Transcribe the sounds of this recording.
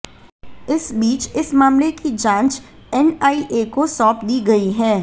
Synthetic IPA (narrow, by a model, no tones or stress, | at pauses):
ɪsbiːt͡ʃɪsmaːmlekid͡ʒãːnt͡ʃ | ɛnaːiʔeːkosɔːpd̪iːɡɐiɦɛː